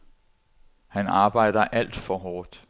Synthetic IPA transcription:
hænɑ̈ːb̥ɑ̈ɪ̰d̥ɐʔæl̰d̥fɒɦɒːd̥

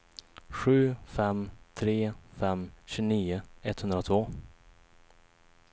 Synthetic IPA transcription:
ɧʉ̟ːfɛmt̪ʰɾeːfɛmɕʉːniːʊɛt̪hɵnd̪ɾat̪ʰvoː

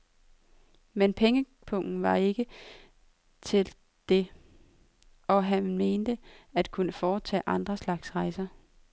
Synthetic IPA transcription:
menpʰeŋə | pʰɔŋ̰n̩ʋɑ̈e̝ɡ̥ə | t͡sʰe̝l | d̥e̝ | ɒ̽ɦænme̝ːnd̥əæd̥kʰunəfɒːt͡sʰɛ̰ːʔɑ̈nd̥ʁɐslɑ̈ɡ̥sʁɑ̈ɪsɐ

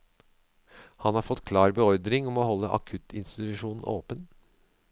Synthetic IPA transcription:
hɑnhɑːɾfɔt̪kʰlɑːɾbəɔɾd̪ɾɪŋɔmoːhɔlːəʔɑ̰kʰʉt̪ʰɪnst̪ɪt̪ʉʂuːnn̩ʔo̰ːpən

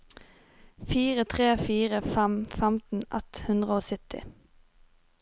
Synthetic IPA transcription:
fiːʁət̪ʰʁeːfiːʁəfɛmfɛmt̪n̩ʔɛ̰t̪hʉnd̪ʁəoːsʏt̪ɪ̰

